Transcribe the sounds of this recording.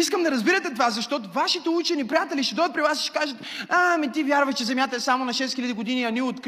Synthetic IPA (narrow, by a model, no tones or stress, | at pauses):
iskəmd̪ɐɾɐzbiɾət̪ɛt̪ovazɐʃt̪ɔt̪ʊvaʃit̪ɛut͡ʃɛnipɾijat̪ɛliʃt̪ɛd̪ɔjət̪̚pɾivasi̥ʃkaʒət̪amit̪ivʲjaɾvɐʃt͡ʃɛzɛmʲjat̪ɐɛsamonɐʃɛsxilʲɐd̪iɡod̪iniɐniot̪k